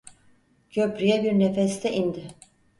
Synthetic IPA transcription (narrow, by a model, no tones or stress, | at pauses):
cʰøpɾyjɛbiɾnefɛst̪ʰɛʔind̪ɪ